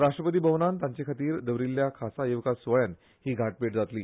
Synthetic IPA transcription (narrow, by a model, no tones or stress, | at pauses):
ɾaʂʈɾəpət̪̬iːbəʋnant̪ãɲt͡ɕekʰat̪iːɾd̪əʋɾilːjakʰasajeʋkasʋəɭjan | hiːɡʱaʈ̚peʈ̚d͡zat̪liː